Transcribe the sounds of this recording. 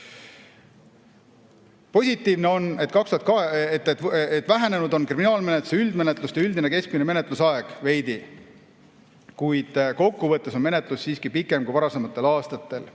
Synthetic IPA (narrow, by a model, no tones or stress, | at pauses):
po̞sʲit̪ːˑiːvneo̞ne̞t̪ːkɑkst̪uɑt̪kɑet̪ːet̪et̪ːˑvæɦæne̞nud̪o̞nkriminɑːlme̞net̪ːˑu̥seyld̪me̞net̪ˑlust̪ɑyld̪ine̞ke̞sk̚mineme̞ne̞t̪lusɑe̞ɡ̥ve̞jd̪i | kujd̪̥ko̞kːuvɤt̪ːˑesome̞ne̞t̪ˑlusːiːskipikːˑe̞mkujvɑɾɑse̞mɑt̪ˑːe̞lɑːst̪ɑt̪ːˑe̞l